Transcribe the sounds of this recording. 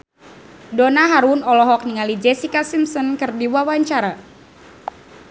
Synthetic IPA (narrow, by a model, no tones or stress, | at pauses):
donaɦaɾunɔlɔɦɔk̚niŋalid͡ʒɛsikasimsɔnkɨrdiwawaɲt͡ʃaɾa